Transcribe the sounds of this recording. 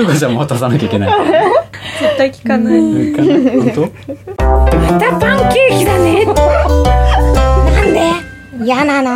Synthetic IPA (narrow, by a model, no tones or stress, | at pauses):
okasamowat̪asanakʲaikʲena | et̪ːaikʲi̥kanaikat̪o | met̪apãŋkʲɨːkʲid̪ane | nãnd̪e | janano